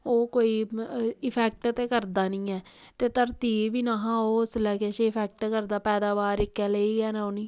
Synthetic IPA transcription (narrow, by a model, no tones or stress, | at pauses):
oːkoːiːɪpʰɛːk̚ʈt̪eːkəɾd̪aːnĩːɛː | t̪eːt̪əɾt̪iːʋiːnaːɦãːoːslɛːkeʃeːɪpʰɛːk̚ʈkəɾd̪aːpɛːd̪aːʋaːɾɪkːɛːleiːɡɛːnãːoːnĩː